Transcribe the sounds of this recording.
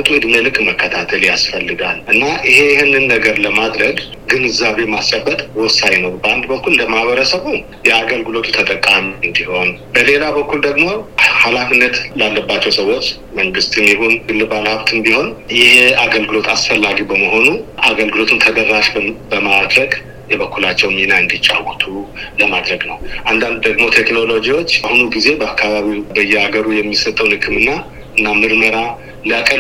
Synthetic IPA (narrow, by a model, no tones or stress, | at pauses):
t̪ʼuɨd̪melɨkʼməkʰːət̪ʰat̪ʰəljasfəlːɨɡalʔɨnːaʔɪhe̞jhenːɨnːəɡəɾləmad̪ɾəɡ | ɡɨnɨzaβe̞mast͡ʃʼabːət̪ʼwɔsajnəwbəand̪bəkːulɨnd̪əmahβəɾəsəβu | jɛaɡəlɡɨlo̞t̪ʰut̪ʰət̪ʼəkʼːamiɨnd̪iho̞nbəle̞labəkːuld̪əɡmo̞halafinːət̪lalːəbːat͡ʃːɛwsəwːo̞t͡ʃː | məŋɡɨst̪ɨmnihunɡɨlːɨbanhaβt̪ʰɨnd̪iho̞njɪheaɡəlɡɨlo̞t̪ʰasfəlːaɡibəməɦo̞nuʔaɡəlɡɨlo̞t̪ʰɨnt̪ʰəd̪ərːaʃbəmad̪ɾəɡ | jɛβəkːulat͡ʃːɛwminaɨnd̪it͡ʃʼːawt̪ʰuləmad̪ɾəɡnəwʔand̪and̪̚d̪əɡmo̞t̪ʰekno̞lo̞d͡ʒiwo̞t͡ʃːahunuɡize̞bəakːaβaβiwbəjːɛaɡəɾujɛmːisət̪ʼːəwnhɨkʰɨmɨnːa | ɨnːamɨɾməɾa | lijakʼə